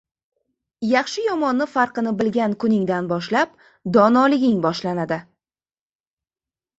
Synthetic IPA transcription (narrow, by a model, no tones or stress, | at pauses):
jɑχʃɪjɒmɒnːɪfɑɾqɨnɪbɪlɡʲankʰʊnɪŋd̪anbɒʃlap̚ | d̪ɒnɒlɪɡʲɪŋbɒʃlanad̪ɪ